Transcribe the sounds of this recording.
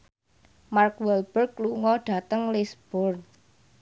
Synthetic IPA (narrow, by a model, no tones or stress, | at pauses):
markwɛlb̥ərkːluŋɔɖ̥ä̤t̪əŋlisb̥ɔrt̪